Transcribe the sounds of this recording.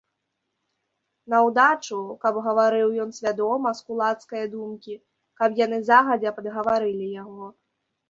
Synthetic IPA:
nɐwd̪at͡ʂukɐbɣɐvaɾɨwjɔnsʲvʲad̪ɔmɐskulˠat̪skɐjɐd̪umkʲi | kɐpjanɨzaɣɐd͡zʲɛpɐd̪ɣɐvaɾɨlʲijaɣɔ

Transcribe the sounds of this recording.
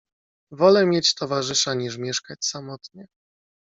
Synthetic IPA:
vɔlɛmʲjet͡ɕt̪ɔvaʐɘʂaɲiʂ̬mʲjɛʂkat͡ɕsamɔt̪ɲɛ

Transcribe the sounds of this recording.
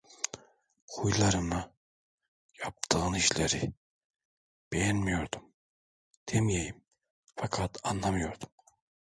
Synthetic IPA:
χujlˠɑɾɯma | jɑp̚t̪ʰɯɯniʃleɾi | b̥ejænmijoɾd̪um | t̪ʰemjejim | fɑkʰɑt̪ʰɑnlˠɑmɯjoɾd̪um

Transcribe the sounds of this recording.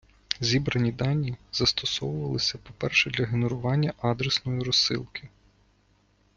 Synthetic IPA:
zʲibɾɐnʲid̪ɑnʲːiz̥ɐst̪ɔsɔwʊʋɐlˠɪsʲɐpɔpɛrʃɛd̪lʲɐɦenɔɾʊʋɑnʲːɐʔɑd̪ɾesnɔjiɾɔsɪ̰lˠkʰɪ

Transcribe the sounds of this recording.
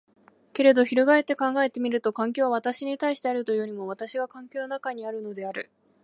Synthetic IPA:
ke̞ɾe̞d̪o̞çiɾoɡae̞t̪ːe̞kãŋɡae̞t̪e̞mʲiɾɯ̟t̪o̞kãŋk̬ʲo̞ːβaβ̞at̪aɕiɲ̟it̪aiɕi̥t̪e̞aɾɯ̟t̪o̞joɾʲimo̞β̞at̪aɕiɡakãŋkʲo̞ːnonakaɲ̟iaɾɯ̟no̞d̪e̞aɾɯ̟

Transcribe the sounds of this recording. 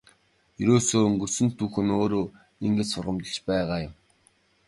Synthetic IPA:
jeɾoːsoːɵŋɡɵ̆rsɘ̆nt̪ʰːuːxɘ̆noːɾoː | iŋɡĕt͡ɕsʊrʁə̆mt̪ə̆t͡ɕpæːʁaːjʊ̆m

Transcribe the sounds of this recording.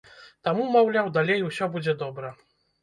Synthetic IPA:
t̪amumawlʲawd̪alʲejwsʲɔbud͡zʲɛd̪ɔbɾɐ

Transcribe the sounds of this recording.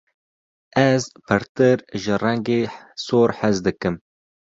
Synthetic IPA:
ɛzpʰɨɾt̪ɨɾʒɨrɛŋɡeːsoːɾħɛzd̪ɨkɨm

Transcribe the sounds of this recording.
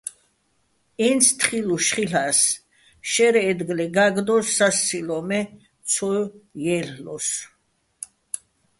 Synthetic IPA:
ɛnsʰt̪ʰχiluʃχilas | ʃɛɾɛːd̪ɡlɛɡaɡd̪ɔsːast͡silɔmɛ | t͡sʰɔjjɛllɔs

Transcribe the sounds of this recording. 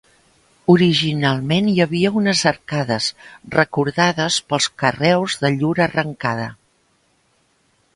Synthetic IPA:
uɾiʒinalˠmenjəβiəunəzərkaðəzrəkuɾðaðəspəlˠskərɛwzðəʎuɾərəŋkaðə

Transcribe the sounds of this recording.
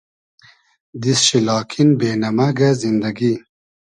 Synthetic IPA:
d̪isɕilɑːkʰinbeːnɐmɐɡɐzind̪ɐɡi

